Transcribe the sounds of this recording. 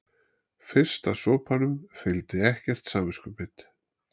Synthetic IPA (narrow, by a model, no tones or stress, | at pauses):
fɪr̥st̪asɔːpʰanʏmfɪlt̪ɪɛhcɛr̥t̪saːmɪskʏpɪt̪